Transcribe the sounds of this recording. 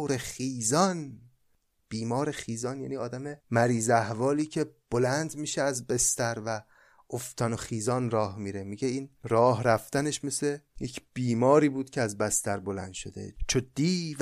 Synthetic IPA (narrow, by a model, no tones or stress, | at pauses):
ɾeχiːzɒn | b̥iːmɒːɾexiːzɒnjæ̰ːniːɒːd̪æmemæɾiːzæhvɒːliːcʰe̞b̥olænd̪miːʃeæzbest̪æɾvæ | ʔoft̪ʰɒnoxiːzɒːnɾɒːhmiːɾe̞miɟe̞iːnrɒːɦɾæft̪æneʃme̞se̞jecʰb̥iːmɒːɾiːbuːd̪̥kʲʰeæzbæst̪æɾbolæ̰nd̪ʃod̪e̞̰t͡ʃʰod̪iːv